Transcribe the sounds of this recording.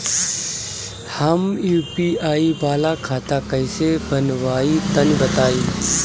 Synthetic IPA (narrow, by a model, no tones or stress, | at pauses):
həmjuːpiaːibaːlakʰaːt̪akəjsebʱənʋaːit̪ənbət̪aːiː